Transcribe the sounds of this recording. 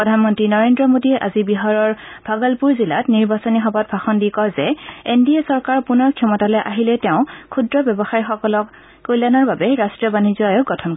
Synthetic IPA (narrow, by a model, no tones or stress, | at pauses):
pɹɔdʱanmɔntɹinɔɹendɹɔmodiɛʔazibiɦaɹɔɹbʱaɡɔlpuɹzilatniɹbasɔnixɔbɔt̚bʰʱaxɔndikɔzɛendiɛsɔɹkaɹpunɔɹkʰjɔmɔtalɔjʔaɦilɛtɛʊ̃kʰudɹɔbjɔbɔxaɹixɔkɔlɔkː | ojlanɔɹbabɛɹastɹiɔbanizɔajɔɡɔtʰɔnkɔ